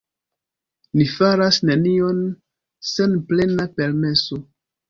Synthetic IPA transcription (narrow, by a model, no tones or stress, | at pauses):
nifaɾasne̞nio̞n | se̞nple̞nape̞ɾme̞so